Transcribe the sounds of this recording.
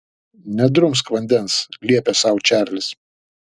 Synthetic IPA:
nʲɛd̪ɾʊms̬kʋɐnʲd̪ʲɛnslʲiɛpʲesɑˑʊt͡ʃʲæˑɾʲlʲɪs

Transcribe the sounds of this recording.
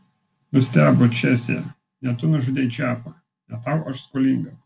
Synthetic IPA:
nʊsʲt̪ʲæːbot͡ʃʲæsʲɛ̰ | nʲɛt̪ʊnʊʒʊd̪ʲɛːɪt͡ʃʲæːpɐ | nʲɛt̪ɑˑʊʔɐʃskolʲiŋɡɐ

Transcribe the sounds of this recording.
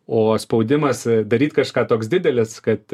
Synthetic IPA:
oːspɐʊd̪ʲɪmɐsd̪ɐɾʲiːt̪kɐʃkɑːt̪oːksd̪ʲɪd̪ʲɛlʲɪskɐt̪

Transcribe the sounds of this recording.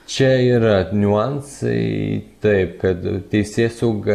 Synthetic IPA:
t͡ʃʲɛiːɾɐnʲuansɐ̰ɪt̪ɐɪp̚kɐt̪t̪ʲɛɪsʲeːsoːɡɐ

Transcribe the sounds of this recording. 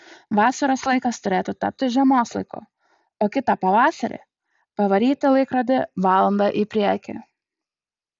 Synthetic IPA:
ʋɑːsɐɾɐslˠɐɪkɐst̪ʊɾʲeːt̪ʊt̪ɐp̚ʲt̪ʲɪʒʲɛmoːslˠɐɪkʊ̰ | oːkʲɪt̪ɐpɐʋɑːsɐɾʲḛ | pɐʋɐɾʲiːt̪ʲɪlˠɐɪkɾɐd̪ʲɪʋɑːlˠɐnd̪ɑʔipʲɾʲiɛkʲɪ̰

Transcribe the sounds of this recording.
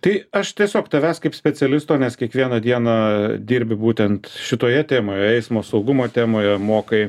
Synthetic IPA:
t̪ɐɪɐʃt̪ʲiɛsʲoːkt̪ɐʋʲæːskɐɪpsʲpʲɛt͡s̪ʲɛlʲɪst̪oːnʲɛskʲiɛkʋʲiɛnɐd̪ʲiɛnɑd̪ʲiːɾʲbʲɪbuːt̪ʲɛnt̪ʃʲɪt̪oːjɛt̪ʲeːmoːjɛɛɪsmoːsɒʊɡʊmoːt̪ʲæːmoːjɛmoːkɐɪ

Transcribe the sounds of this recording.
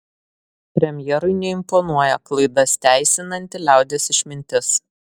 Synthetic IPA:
pʲɾʲɛmʲjɛɾʊɪnʲɛɪmpɔnuɔjɛklˠɐɪd̪ɐst̪ʲæˑɪsʲɪnɐnʲt̪ʲɪlʲæˑʊd̪ʲesɪʃʲmʲɪnʲt̪ʲɪs

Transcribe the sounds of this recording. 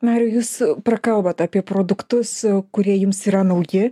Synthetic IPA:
nɑːɾʲɪjuːspɾɐkɐlˠbɐt̪ɑːpʲiɛpɾoːd̪ʊkt̪ʊskʊɾʲiɛjʊmsiːɾɐnɐʊjɪ

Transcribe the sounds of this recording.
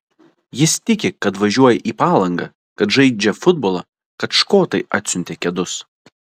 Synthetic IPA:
jɪst̪ʲɪkʲɪkɐt̪ʋɐʒʲuɔjɛʔiːpɑːlˠɐŋɡɐ | kɐt̪ʒɐɪd͡ʒʲɛfʊd̪̚bɔːlˠɐ | kɐt̪ʃkoːt̪ɐɪʔɐ̰ːt̪ʲsʲʊnʲt̪ʲeːkʲɛd̪ʊs

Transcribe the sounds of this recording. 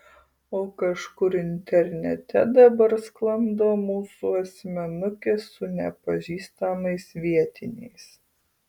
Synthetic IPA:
oːkɐʃkʊɾɪnʲt̪ʲɛɾʲnʲɛt̪ʲɛ̰d̪ɐbɐɾsklˠɐmd̪oːmuːsuɐsʲmʲɛnʊkʲeːsʊnʲɛ̰pɐʒʲiːst̪ɐmɐɪsʋʲiɛt̪ʲɪnʲɛ̰ɪs

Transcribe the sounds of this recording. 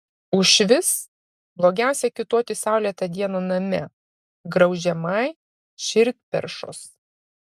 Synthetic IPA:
ʊʃʲʋʲɪs | blˠoːɡʲæˑʊsʲɛkʲɪt̪oːt̪ʲɪsɑˑʊlʲiɛt̪ɐd̪ʲiɛnoːnɐmʲɛ | ɡɾɐʊʒʲɛmɐɪ | ʃʲɪɾʲt̪̚ʲpʲɛ̰ɾʃo̰ːs

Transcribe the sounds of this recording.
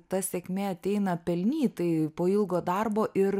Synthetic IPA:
t̪ɐsʲɛkʲmʲɛɐt̪ʲɛɪnɐpʲɛlʲnʲiːt̪ɐɪpoːɪlˠɡoːd̪ɐrboːʔɪɾ

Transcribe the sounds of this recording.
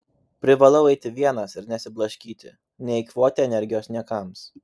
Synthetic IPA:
pʲɾʲɪʋɐlˠɐʊɛɪt̪ʲɪʋʲiɛnɐsɪɾnʲɛsʲɪblˠɐʃʲkʲiːt̪ʲɪ̰ | nʲɛɪkʋoːt̪ʲɪɛnʲɛɾʲɡʲɪjoːsnʲiɛkɑˑms

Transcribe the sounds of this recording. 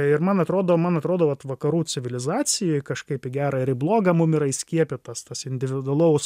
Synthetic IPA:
ɪɾmɐnɐt̪ɾoːd̪oːmɐnɐt̪ɾoːd̪oːʋɐt̪ʋɐkɐɾuːt͡s̪ʲɪʋʲɪlʲɪzɑːt͡s̪ʲɪjoːjkɐʃkɐɪpɪɡʲæːɾɐɪɾɪblˠoːɡɐmʊmɪɾɐɪsʲkʲiɛpʲɪt̪ɐst̪ɐsɪnʲd̪ʲɪʋʲɪd̪ʊɐlˠɐʊʊs

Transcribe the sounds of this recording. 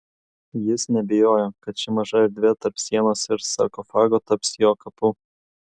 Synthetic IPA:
jɪsnʲɛbʲɪjoːjoːkɐt̪̚t͡ʃʲɪmɐʒɐɪɾd̪ʲʋʲit̪ɐɾpsʲiɛnoːsɪɾsɑ̰ːkofɑːɡoːt̪ɐpsjoːkɐpu

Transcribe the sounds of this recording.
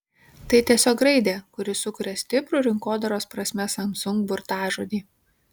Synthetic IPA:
t̪ɐɪt̪ʲiɛsʲoːkɾɐɪd̪ʲeːkʊɾʲɪsʊkʊɾʲɛsʲt̪ʲɪpɾʊˑɾʲɪŋkoːd̪ɐɾoːspɾɐsʲmʲɛsɐmsʊŋɡbʊɾt̪ɑːʒoːd̪ʲiː

